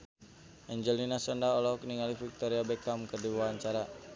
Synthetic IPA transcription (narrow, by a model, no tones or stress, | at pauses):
ʔɛɲd͡ʒəlinasɔndaɔlɔɔkniŋalifik̚t̪ɔɾiabɛkamkərdiwaɦaɲt͡ʃaɾa